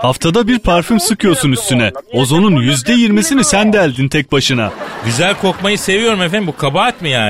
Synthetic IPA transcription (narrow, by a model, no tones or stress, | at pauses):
haft̪ʰad̪abiɾpʰaɾfymsɯkʰɯjo̞ɾsunyst̪ʰynɛo̞zo̞nunjyzd̪ɛjiɾmisinisænd̪ɛæːlʲd̪int̪ʰɛc̚baʃɯna̰ɟyzælʲkʰo̞kmajɯse̞vijo̞ɾumefænbukʰabuat̪mijaː